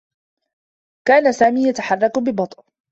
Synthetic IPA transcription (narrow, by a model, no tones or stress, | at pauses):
kaːnasaːmiːjat̪aħɑrˤːɑkbɪbɑt̪ˤʔ